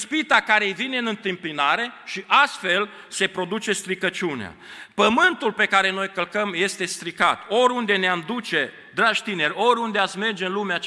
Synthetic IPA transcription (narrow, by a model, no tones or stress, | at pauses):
spit̪akaɾe̞jvineɨnɨnt̪ɨmpinaɾe̞ʃiʔast̪fe̞l | se̞pɾo̞d̪ut͡ʃe̞st̪ɾikət͡ʃunea̰pəmɨnt̪ulpe̞kaɾe̞no̞jkəlkəmje̞st̪e̞st̪ɾikat̪o̞ɾʲund̪e̞neamd̪ut͡ʃe̞ | d̪ɾaʒʲt̪ine̞ɾʲo̞ɾʲund̪eat̪sme̞rd͡ʒeɨnlumea